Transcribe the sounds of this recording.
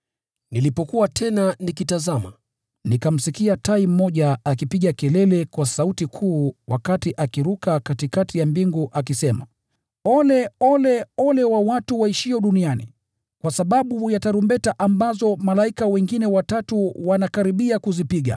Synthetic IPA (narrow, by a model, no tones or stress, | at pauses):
nilipɔkuwatʰɛnanikitazama̰ | nikam̩sikiataim̩mɔʄaakipiɠakɛlɛlɛkwasautikʰuːwʔa̰katiʔakiɾukakatikatijambiŋɡuʔakisɛma̰ | ɔlɛɔlɛɔlɛwawatuwaiʃiɔɗunianḭ | kwasaɓaɓujataɾumbɛtaʔambazɔmalaikawɛŋɡinɛwatatuwanakaɾiɓiakuzipiɠa̰